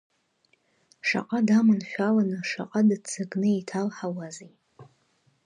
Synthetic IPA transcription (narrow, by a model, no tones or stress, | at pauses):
ʂa̰qʼadamɨnʃʷᶣalanɨʂa̰qʼadɨt͡sʰɨɡnɨitʰalħawazi